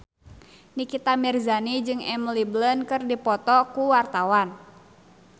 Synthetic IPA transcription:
nikit̪amɛrzanid͡ʒɨŋɛmliblənkɨrdipɔt̪ɔkuwart̪awan

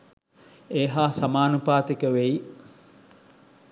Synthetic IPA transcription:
eːɦaːsamaːnupaːt̪ikəʋei

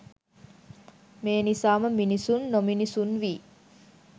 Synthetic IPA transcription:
meːnisaːməminisunːominisunʋiː

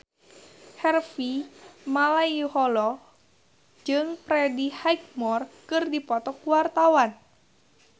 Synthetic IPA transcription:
hɛrfimalaihɔlɔ | d͡ʒɨŋpɾɛdihajk̚mɔrkɨrdipɔt̪ɔkuwart̪awan

